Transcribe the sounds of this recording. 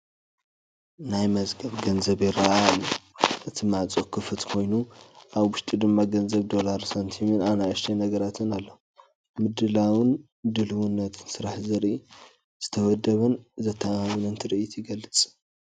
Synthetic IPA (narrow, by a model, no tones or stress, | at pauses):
najmɐzɡɐβɡɐnzɐβjɪɾɐʔaalːuʔɨt̪ʰimat͡sʼokʰɨfɨt̪kʰo̞jnuʔaβwʊʃt̪ʼid̪ɨmːaɡɐnzɐβd̪o̞laɾsant̪ʰiminaβnajɐʃt̪ʰenɐɡɐɾat̪ʰɨnalːo | mɨd̪ɨlawɨn | d̪ɨlɨwunːɐt̪ʰɨ̥nsɨɾaħzɨɾʔi | z̥ɨt̪ʰɐwɐd̪ːɐβɐnzɐt̪ʰːaawinɐnt̪ʰɨɾʔit̪ʰjiɡɐlːɨt͡sʼ